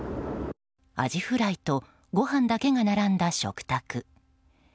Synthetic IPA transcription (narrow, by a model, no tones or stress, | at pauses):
a̰ʑiɸɯ̟ɾait̪o̞ | ɡo̞hãnd̪ake̞ɡanaɾãnd̪aɕo̞̰kɯ̟̥t̪akɯ